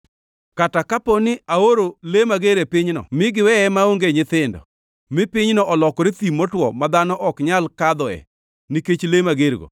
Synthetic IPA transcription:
katakaponɪaoɾolemaɡeɾepɪɲnɔ̰mɪɡɪwɛɛmaoŋɡeɲɪt̪ɪndɔ̰ | mɪpɪɲnɔʔɔlɔkɔɾet̪imɔtwɔ̰mad̪anɔʔɔkɲalkad̪ɔɛ̰ | niket͡ʃlemaɡeɾɡo̰

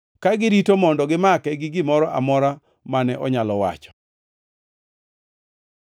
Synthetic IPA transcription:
kaɡɪɾitomɔndɔɡɪmakɛɡɪɡɪmɔɾɔʔa̰mɔɾa | manɛʔɔɲalɔwa̰t͡ʃɔ̥

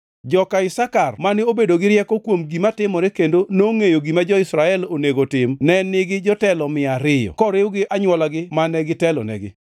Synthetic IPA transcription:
d͡ʒɔkaɪsakarmanɪobedoɡɪɾjɛkɔkwomɡimatɪmɔɾekendonoŋejoɡimad͡ʒɔɪsɾaɛloneɡotɪmnɛnɪɡɪd͡ʒɔtɛlɔmɪaɾɪjɔ̰kɔɾɪwɡɪʔaɲwɔlaɡɪmanɛɡɪtɛlɔ̰nɛ̰ɡɪ̰

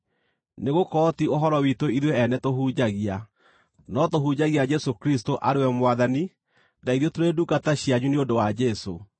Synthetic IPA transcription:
neɣokɔtioɦɔɾɔwitoiðweɛnɛtoɦud͡ʑaɣia | nɔtohud͡ʑaɣiad͡ʒɛsokɾistoʔaɾewɛmwaðani | daiðotoɾedukataɕiaɲuneondowad͡ʒɛso̰

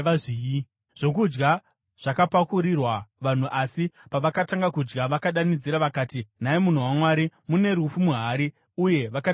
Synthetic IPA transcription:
aii | ʐ̥o̞kud͡ʒɡa | ʐ̥akapakuɾirwaʋan̤uʔasipaʋakataŋɡakud͡ʒɡaʋakaɗanid͡ziɾaʋakaːtin̤aemun̤uwamwaːɾimune̞ɾufumuɦaɾi | uje̞ʋaka

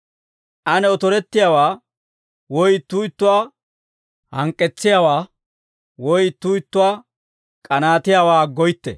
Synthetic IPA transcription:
ʔɐnɛɔt̪ɔɾɛt̪ːɪjawaː | wɔjt̪ːuːɪt̪ːʊwaː | hɐŋkʼːɛt͡sːɪjaːwaː | wɔjɪt̪ːuɪt̪ːʊwaː | kʼɐnaːt̪ɪjaːwaːɡɔjt̪ːɛ̰

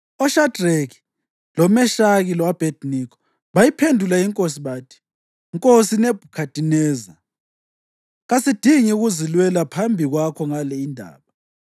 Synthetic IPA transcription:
ɔʃadreki̥ | lɔmɛʃaɣilɔwab̥ʱed̥nikʰɔ̥ | βajipʰendʱulaiŋkʼos̬iβaːtʰi̥ | ŋkʼosinɛb̥ʱukʰad̥ʱʼinɛːza | ɣasid̥ʱiŋiuɣuzilwɛlapʰambʱiɣwakʰɔŋalɛindʱa̰ːβa

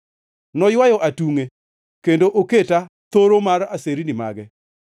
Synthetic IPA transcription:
nɔjwajɔʔatuŋe | kendoʔoketa | t̪oɾomaraseɾinɪma̰ɡɛ

